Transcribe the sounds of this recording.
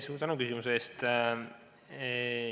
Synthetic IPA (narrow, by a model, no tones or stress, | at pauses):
suːt̪ɑnukysimuseeːst̪